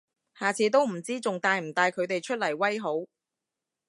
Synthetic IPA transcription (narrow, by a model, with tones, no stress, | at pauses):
haː˨t͡sʰiː˨˧˥t̪o˥wm̩˨˩t͡siː˥t͡sʊ˨ŋt̪aː˨˧jm̩˨˩t̪aː˧jkʰɵ˨˧ɥt̪e˨jt͡ʃʰɵ˥t̚lɐ˨˩jwɐ˥jɦo˨˥w